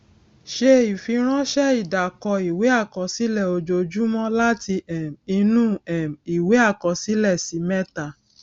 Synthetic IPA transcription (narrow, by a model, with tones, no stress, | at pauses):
ʃe˧i˨fi˧˦ɾ̃ɔ̃˦ʃɛ˦i˦˨da˨kɔ˧i˨we˨˦a˦˨kɔ˨˧si˦lɛ˦˨o˧d͡ʒo˧d͡ʒu˦mɔ̃˦la˦ti˧ɛ˨mi˧nũ˦ɛ˨mi˨we˨˦a˦˨kɔ˨si˨˦lɛ˦˨si˨˦mɛ̃˦ta˦˨